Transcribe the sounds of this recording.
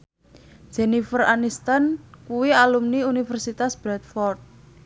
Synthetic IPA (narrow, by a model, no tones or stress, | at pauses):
d͡ʒ̥ɛnifəranist̪ankuwialumniunifɛrsit̪asb̥ɾɛt̪̚fɔrt̪̚